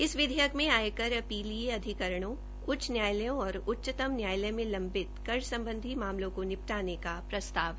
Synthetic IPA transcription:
ɪsʋɪd̪ʱjəkmẽaːjekɐɾɐpiːlieɐd̪ʱɪkəɾəɽ̃õ | kʊt͡ʃʰnjaːjləjõɔːɾʊtːʃt̪əmnjaːjləmẽlɐ̃mbɪt̪kɐɾʃsɐ̃mbə̃nd̪ʱimaːmlõkonɪp̚ʈaːnekapɾɐst̪aːʋɦɛ

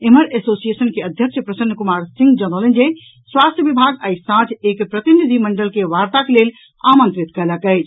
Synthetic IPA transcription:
eməɾesosiesənkeəd̪ʱjəkʃəpɾəsənːkumaɾsĩŋɡd͡ʒənələnd͡ʒe | swast̪ʰjəbibʱaɡəjsãd͡ʒʰekpɾət̪inid̪ʱiməɳɖəlkeʋaɾt̪akelel | amə̃nt̪ɾit̪kələkəɪt͡ʃʰ

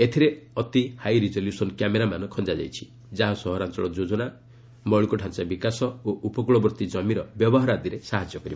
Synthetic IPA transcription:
et̪ʰiɾeɔt̪ihajɾid͡ʒɔljusɔnkjameɾamanɔkʰɔnd͡ʒad͡ʒa̰jt͡ʃʰi̥ | d͡ʒaɦasɔɦɔɾant͡ʃɔɭɔd͡ʒod͡ʒɔna | mɔɭikuʈʰant͡ʃabikasɔoʔupɔkuɭɔbɾɔt̪id͡ʒɔmiɾɔbjɔbɔɦaɾad̪iɾesaɦad͡ʒjɔkɔɾib

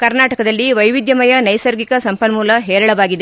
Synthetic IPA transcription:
kɐɾnaːʈɐkɐd̪ɐlːiʋɐjʋid̪jɐmɐjɐnɐjsɐɾɡikɐsɐmpɐnmuːlɐɦɛːɾɐɭɐʋaːɡid̪e

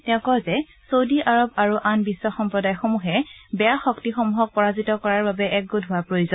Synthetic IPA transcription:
tɛʊ̃kɔzɛ | sowdiʔaɹɔbaɹuʔanbisːɔxɔmpɹɔdajxomuɦɛbɛjaxɔktixɔmuɦɔk̚pɔɹazitɔkɔɹaɹbabɛʔɛk̚ɡodʱɦʊwapɹojuzɔn

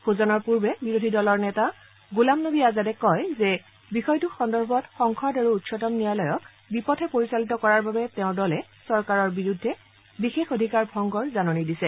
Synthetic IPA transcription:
xʰuzɔnɔɹpuɹbɛbiɹodʱidɔlɔɹnɛta | ɡulamnobiazadɛkɔjzɛ | bixɔjtuxɔndɔɹbʱɔtxɔŋkʰɔdaɹuːtsɔtɔmnijalɔjɔk | bipɔtʰɛpoɹisalitɔkɔɹaɹbabɛtɛʊ̃dɔlɛ | sɔɹkaɹɔɹbiɹudʱːɛ | bixexodʱikaɹbʱɔŋɡɔɹzanɔnidisɛ

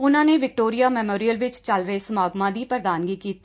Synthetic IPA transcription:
ʊnãːneːʋɪk̚ʈoːɾijaːmɛːmoːɾijəlʋɪt͡ʃt͡ʃəlɾəeːsəmaːɡmãːd̪iːpɾəd̪aːnɡiːkiːt̪iː

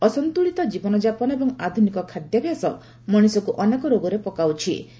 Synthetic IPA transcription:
ɔsɔnt̪uɭit̪ɔd͡ʒibɔnɔd͡ʒapɔnɔebɔŋad̪ʱunikɔkʰad̪jɔbʱjasɔ | mɔɽ̃isɔkuʔɔnekɔɾoɡɔɾepɔkawt͡ʃʰḭ

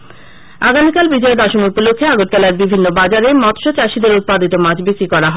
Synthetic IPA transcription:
aɡamikalbid͡ʑɔed̪ɔʃomupulokʰːeaɡot̪̚t̪alaeɾbibʱinːobad͡ʑaɾemɔt̪ʃot͡ɕaʃid̪eɾut̪̚pad̪it̪omad͡ʑbesikɔɾaɦɔee

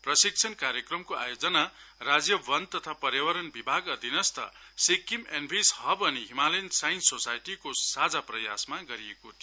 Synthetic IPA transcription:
prʌsik̚t͡sʰʌnkaɾjʌkrʌmkoa̰jod͡zʌnarad͡zjʌbʌnt̪ʌt̪ʰapʌɾjawʌɾʌnbibʱaɡʌd̪ʱinʌst̪ʌ̰sekimenbʱisɦʌbʌniɦimalensajnsosajʈikosad͡zaprʌjasmaɡʌɾiekot̪ʰi

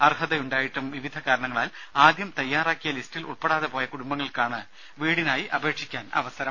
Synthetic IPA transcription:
ɐrhɐðɐjuɳɖaːjiʈːumʋiʋid̪ʱɐkaːɾɐɳɐŋːɐɭaːlaːd̪jɐmt̪ɐjːaːraːkːijɐlistilʔṵɭpeɽaːðepo̞ːjɐkuɽumbɐŋːɐɭkaːɳɨ | ʋiːɽinaːjiʔɐbʱe̞ːʈʂikʲːaːnɐ̰ʋɐsɐɾɐm

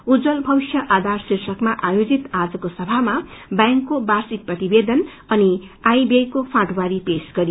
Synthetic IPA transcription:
ud͡zʌlbʱʌbisjʌʔad̪ʱarsirsʌkmaʔajod͡zit̪ad͡zʌkosʌbʱamabjaŋkːobarsit̪̚prʌt̪ibed̪ʌn | ʌniajbejkopʰãʈwaɾipesɡʌɾi

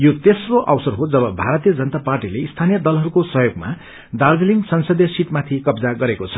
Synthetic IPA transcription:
jot̪esroʔʌwsʌrɦod͡zʌbʌbʱaɾʌt̪ijʌd͡zʌnʌt̪aparʈileist̪ʰanijʌd̪ʌlɦʌɾukosʌɦjoɡma̰ | darbiliŋɡsʌnsʌd̪ʱjʌsiʈ̪mat̪ʰikʌbd͡zaɡʌɾekot͡sʰʌ̥

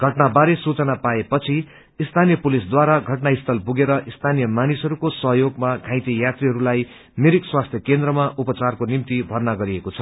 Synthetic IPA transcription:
ɡ̥ʱʌʈnabaɾesut͡sʌnapaepʌt͡sʰi | ist̪ʰanijʌpulisd̪waɾaɡʱʌʈnaist̪ʰʌlpuɡeɾʌʔist̪ʰanijʌmanisɦʌɾukosʌɦjoɡmaɡʱãjt̪ijat̪riɦʌɾulaj | meɾikswast̪ʰjʌkend̪ɾʌmaʔupʌt͡sarkonimt̪ibʱʌrnaɡʌɾiekot͡sʰʌ

